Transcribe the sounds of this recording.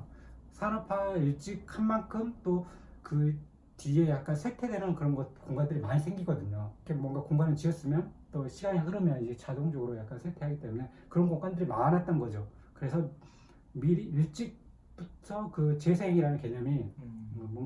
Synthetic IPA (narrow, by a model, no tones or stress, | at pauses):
sʰaɾʌpʰajuɭt͡ɕ͈ik̚hanmankʰɯmt͈okɯ | tiejak̚k͈ansʰetʰe̞denɯnkɯɾʌnɡʌkoŋɡandɯɾimaɲisʰe̞ŋɡiɡʌdɯɲokʰemwʌŋɡakoŋɡanɯɭt͡ɕiʌs͈ɯmjʌnt͈oɕʰiɡaɲiaɡɯɾʌmjʌnid͡ʑe̞t͡ɕadoŋd͡ʑoɡɯɾojak̚k͈ansʰetʰe̞ɦaɡit͈e̞mune̞ | kɯɾʌnkoŋɡandɯɾimanat̚t͈ʌnɡʌd͡ʑo | kɯɾe̞sʰʌ | miɾiuɭt͡ɕ͈ik̚ | p͈uttʰʌkɯt͡ɕe̞sʰeɦeŋiɾanɯnkeɲʌmiʌmʌŋ